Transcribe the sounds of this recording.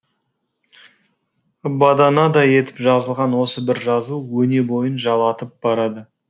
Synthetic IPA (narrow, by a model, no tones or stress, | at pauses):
bɑd̪ɑnɑd̪ɑje̞t̪ɪpʒɑzəlˠʁɑnwo̞səbɪɾʒɑzuwɵne̞bo̞jənʒɑlˠɑt̪əp̚b̥ɑɾɑd̪ə